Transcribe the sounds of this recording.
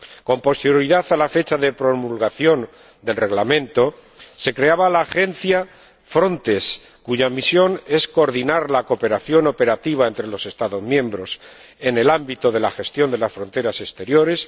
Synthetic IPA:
ko̞mpo̞st̪eɾjoɾiðaθalafe̞t͡ʃaðe̞pɾo̞mulɣaθjo̞n | d̪e̞lre̞ɣlamẽ̞nt̪o̞se̞kɾe̞aβalaːxe̞n̟θja | fɾo̞nt̪e̞s | kuʝamisjo̞ne̞sko̞ːɾðinaɾlako̞pe̞ɾaθjo̞no̞pe̞ɾat̪iβ̞ae̞nt̪ɾe̞lo̞se̞st̪aðo̞zmjẽ̞mbɾo̞s | e̞ne̞lambit̪o̞ð̞e̞laxe̞st̪jo̞nd̪e̞lasfɾo̞nt̪e̞ɾase̞st̪e̞ɾjo̞ɾe̞s

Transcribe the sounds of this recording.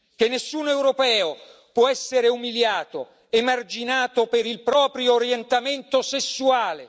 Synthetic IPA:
k̟enːesːuːnɛwɾopɛːopwɔɛsːeɾeumiljaːt̪o | emard͡ʒinaːt̪opeɾilpɾɔːpɾjoːɾjɛnt̪ament̪osesːuaːle

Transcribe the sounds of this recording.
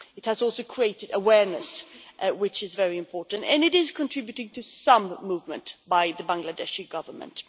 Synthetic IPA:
ɨt̚hɨzɔˑlˠsoʊkʰɹ̥ieɪɾɨɾəwɛɹnɨswɪt͡ʃɨzvɛɹiɨ̃mpʰɔɹʔn̩tɨ̃nɨɾɪz̥kʰə̃ntʰɹ̥ɪbjɨɾɪ̃ŋtʰɨsʌ̃mːuvmə̰̃nb̥aɪðɨbæ̃ŋɡlɨdɛʃɨɡʌvə˞mə̰̃nt

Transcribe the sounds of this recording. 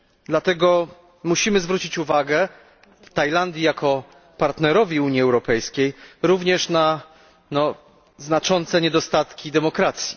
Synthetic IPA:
d̪lat̪ɛɡɔ | muɕimɘzvɾut͡ɕit͡ɕuvaɡɛ | t̪ajland̪ʲjijakɔ | paɾt̪nɛɾɔvʲiuɲiɛwɾɔpɛjskʲejɾuvɲɛʂna | nɔ | znat͡ʂɔnt̪sɛɲɛd̪ɔst̪at̪kʲid̪ɛmɔkɾat̪sʲji

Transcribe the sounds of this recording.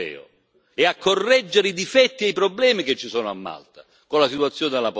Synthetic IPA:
ɛ̰ːʊ̰ | ɛakʰːorːɛd͡ʒːeɾeid̪ifɛt̪ːiɛipɾoblɛːmiket͡ʃːisɔːnʊa̰mːa̰lt̪a | kolasit̪wat̪sːjɔːned̪elap

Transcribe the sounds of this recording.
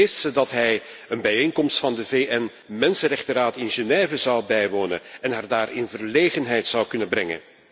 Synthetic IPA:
estsədɑtɦɛj | ənbɛjeːŋkɔmstfɑndəveːʔɛn | mɛnsənrɛχtəɾaːtɪnʒenɛːvəzɑwbɛjʋoːnə̰nɛnɦaːrdaːrɪnvərleːɣənɦɛjtsɑwkɵnənbrɛŋə̰n

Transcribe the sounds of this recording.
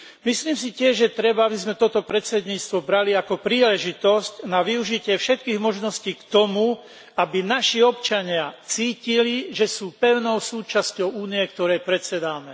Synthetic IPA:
misliːms̬icɪɛʒʒjɛt̪ɾɛbaabizmɛt̪ɔt̪ɔpɾɛt͡sɛd̪ɲiːt͡st̪ʋɔbɾaliakɔpɾiːlɛʒit̪ɔscnaʋiuʒicɪɛfʃɛt̪̚kiːɣmɔʒnɔsciːkt̪ɔmu | abinaʃiɔpt͡ʃaɲɪat͡siːciliʒɛsuːpɛʊnɔʊsuːt͡ʃascɔʊuːniɛkt̪ɔɾɛjpɾɛt͡sɛd̪aːmɛ

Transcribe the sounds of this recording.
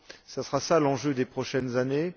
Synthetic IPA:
sasʁasalɑ̃ʒød̪epχɔʃɛnzane

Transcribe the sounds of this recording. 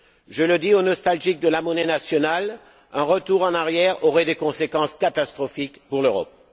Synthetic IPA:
ʒələd̪ionɔst̪alʒik̚d̪əlamɔnɛnasjɔnal | ɛ̃ʁət̪uʁɑ̃naʁjɛʁɔʁɛd̪ekɔ̃sekɑ̃skat̪ast̪χɔfikpuʁløʁɔ̰p̚

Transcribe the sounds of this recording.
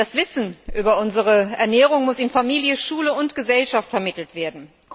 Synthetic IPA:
d̥asv̥ɪsn̩ʔyːbɐʊnzəʁəɛɐnɛːʁ̞ʊŋmʊsɪnfamiːljəʃuːləʊntɡ̥əzɛlʃaftfɛɐmɪtl̩tv̥eːɐdn̩

